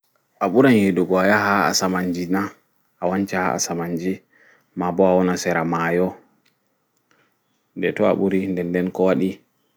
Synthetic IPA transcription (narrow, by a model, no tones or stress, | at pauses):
ʔaɓuɾanheɗuɡɔajaɦaa̰samaɲd͡ʒina | awaɲt͡ʃaha̰a̰samaɲd͡ʒi | mabɔawɔnasɛɾamajɔ | ndɛtɔa̰ɓuɾindɛndɛnkɔwaɗi